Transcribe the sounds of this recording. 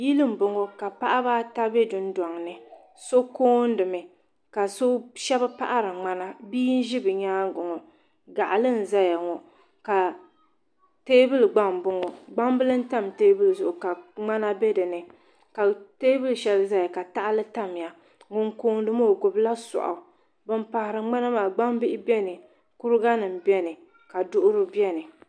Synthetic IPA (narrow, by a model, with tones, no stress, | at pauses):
ji˦lɨ˦m̩˨bʊ˨ŋo˨ka˨pa˦ʔa˦baː˦ta˦bɛ˦dʊ˦n˦dɔ˨ŋ˨nɨ˨ | so˦koː˦n˦dɨ˨mɨ˨ | ka˨so˦ʃɛ˦ba˦pa̰˦ʔa˦ɾɨ˨ŋ͡ma˦na˦biː˦n̩˦ʒi˦bɨ˨ɲaː˦ɡʊ˨ŋɔ˨ | ɡa˨ʔa˨lɨ˦n̩˨za˦ja˨ŋɔ˨ | ka˨ | teː˦bɨ˦lɡ͡ba˦m˨bʊ˨ŋɔ˨ɡ͡ba˦m˦bɨ˦lɨ˦n̩˦ta˦mteː˦bɨ˦lzʊ˨ʔʊ˨ka˨ŋ͡ma˦na˦bɛ˦dɨ˨nɨ˨ | ka˨teː˦bɨ˦lʃɛ˨lza˦ja˨ka˨ta˦ʔa˦lɨ˦ta˦m˨ja˨ | ŋʊ˨ŋkoː˦n˦dɨ˦mo˦˨ɡʊ˨bla˦sɔ̰˨ʔa̰˨ | bɨ˦mpa˨hɪ˨ɾɨ˨ŋ͡ma˦na˦maː˨ɡ͡ba˦m˦bɪ˦ʔɪ˦bɛ˦nɨ˨ | kʊ˦ɾɨ˦ɡa˦nɨ˨m̩˨bɛ˦nɨ˨ | ka˨dʊ˦ʔʊ˦ɾɨ˦bjɛ˦nɨ˨